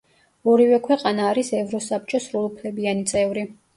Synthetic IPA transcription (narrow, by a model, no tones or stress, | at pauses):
ɔɾivɛkʰwɛqʼanaːɾisɛvɾɔsap̚t͡ʃʼɔsɾulˠupʰlɛbianit̪sʼɛvɾi